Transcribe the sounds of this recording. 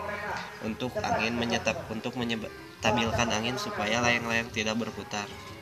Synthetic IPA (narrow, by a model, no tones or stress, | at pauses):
ʔṵnt̪ʊka̰ŋɪnməɲət̪ap̚unt̪ʊk̚məɲ | t̪abɪlkanaŋɪnsupajalajaŋlajaŋt̪idak̚bərput̪ar